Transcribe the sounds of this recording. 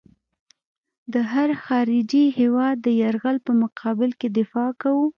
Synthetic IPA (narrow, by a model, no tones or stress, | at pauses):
d̪əɦaɾxɑɾɪd͡ʒihewɑd̪ːəjaɾɣalpəmʊqʰɑbɪlked̪ɪfɑkawu